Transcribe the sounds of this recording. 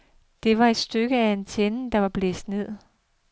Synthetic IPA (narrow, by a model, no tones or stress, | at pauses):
d̥e̝ʋɑ̈e̝d̥sd̥øɡ̥əæe̝nt͡sʰenəd̥ɑ̈ʋɑ̈b̥lḛːsd̥ne̝ð̰ˠ